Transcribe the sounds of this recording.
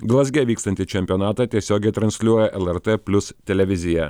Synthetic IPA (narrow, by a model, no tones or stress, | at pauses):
ɡlˠɐzʲɡʲɛʋʲiːkst̪ɐnt̪ʲɪt͡ʃʲɛmʲpʲjɔnɑːt̪ɑt̪ʲiɛsʲoːɡʲɛɪt̪ɾɐnʲsʲlʲuɔjɛʔɛlˠɛɾt̪epʲlʲʊst̪ʲɛlʲɛʋʲɪzʲɪjɛ